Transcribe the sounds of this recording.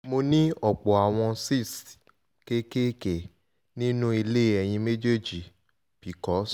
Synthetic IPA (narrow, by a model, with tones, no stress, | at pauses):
mo˧nĩ˦ɔ˨k͡pɔ˨a˨w̃ɔ̃˧si˦˨s | ke˦ke˦ke˨ | nĩ˦nũ˦i˧le˦ɛ˨j̃ĩ˧me˦d͡ʒe˦d͡ʒi˨ | b̥i˨˦kɔ˦s